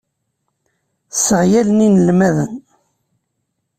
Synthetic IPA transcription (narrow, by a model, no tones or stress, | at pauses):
səʕjæləninəlmæðən